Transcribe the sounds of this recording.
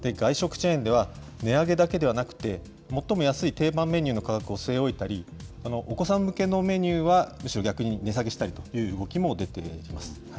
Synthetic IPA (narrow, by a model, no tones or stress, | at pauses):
d̪̥eɡaiɕo̞kɯ̟̥t͡ɕẽːnd̪e̞β̞ane̞aɡe̞d̪ake̞d̪e̞βanakɯ̟̥t̪e̞ | mo̞t̪ːo̞mo̞jasɨit̪e̞ːbãmːe̞ɲ̟ʲɨːno̞kakakɯ̟o̞sɨe̞o̞it̪aɾʲianoʔoko̞sãmːɯ̟ke̞no̞me̞ɲ̟ʲɨːβamɯ̟ɕiɾo̞ɡʲakɯ̟ɲ̟ine̞s̬aɡe̞ɕi̥t̪aɾʲit̪o̥jɯ̟ːɯɡo̞kʲimo̞d̪e̞t̪e̞̰imasɨ̥ | a